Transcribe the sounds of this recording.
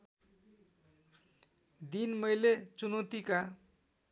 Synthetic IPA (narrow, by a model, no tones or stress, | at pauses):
d̪inmʌjlet͡sunot̪ika